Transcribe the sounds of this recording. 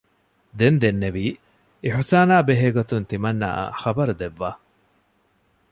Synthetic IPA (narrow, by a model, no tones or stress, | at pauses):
d̪end̪enːeʋiː | eħusaːnaːbeɦeːɡot̪unt̪imɐnːa̰xɐbɐɾud̪eʋːaː